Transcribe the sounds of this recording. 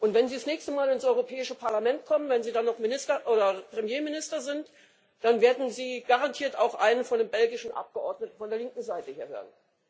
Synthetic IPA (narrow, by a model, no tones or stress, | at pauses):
ʔʊntv̥ɛnziːsnɛːçstəmaːlɪnsʔɔʏʁopʰɛːɪʃəpʰaɐlamɛnt̚kʰɔmənvɛnziːdanːɔχmɪnɪstɐʔoːdɐpʁ̥ɛmjeːmɪnɪstɐzɪnt | d̥anveːɐdn̩ziːɡ̥aʁantʰiːɐtaʊxʔa̰ɪnənfɔndeːmbɛlɡɪʃn̩ʔa̰p̚ɡ̥əʔɔɐdnətn̩fɔndeːɐlɪŋkŋ̩zaɪtəhiːɐɦø̰ːʁən